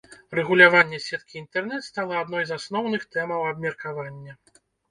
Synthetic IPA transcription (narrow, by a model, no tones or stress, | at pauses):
rɛɣulʲavanʲːɛsʲɛt̪̚kʲiːnt̪ɛrn̪ɛt̪st̪alˠɐad̪nɔjzasnɔwnɨxt̪ɛmɐwɐbmʲɛrkavanʲːɐ